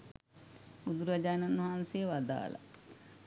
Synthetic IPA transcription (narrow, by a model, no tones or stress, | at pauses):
ud̪uɾad͡ʒaːnanːɐɦansejəʋad̪a̰ːla̰